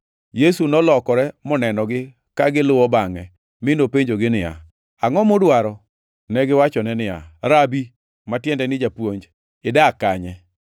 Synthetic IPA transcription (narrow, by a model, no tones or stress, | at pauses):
jesunɔlɔkɔɾɛmɔnɛnɔɡɪ | kaɡɪlʊwɔbaŋɛ | mɪnopeɲd͡ʒoɡɪnɪja̰ | aŋɔmʊdwaɾɔ | nɛɡɪwat͡ʃɔnɛnɪja̰ɾabi | matjɛndɛnɪd͡ʒapwoɲd͡ʒ | ɪdakaɲɛ